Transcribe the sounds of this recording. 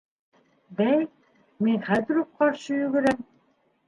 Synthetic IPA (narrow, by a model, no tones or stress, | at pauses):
bæj | minχæðɘ̆ɾop̚qɑɾʃɤjɵɡɘ̆ɾæm